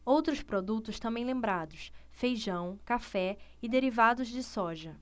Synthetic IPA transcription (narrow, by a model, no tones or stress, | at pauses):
owt̪ɾʊspɾod̪ut̪ʊst̪ɐ̃mbẽj̃lẽmbɾad̪ʊsfejʒɐ̃w̃kafɛɪd̪eɾivad̪ʊzd͡ʒɪsɔʒɐ